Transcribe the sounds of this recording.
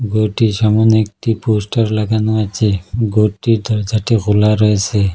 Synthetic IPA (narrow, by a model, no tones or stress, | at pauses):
ɡoʈisɔmunek̚ʈipusʈɔɾlaɡanuat͡ʃeɡoʈid̪ʱɔɾd͡ʒʱaʈiɡulaɾɔɦet͡ʃʰe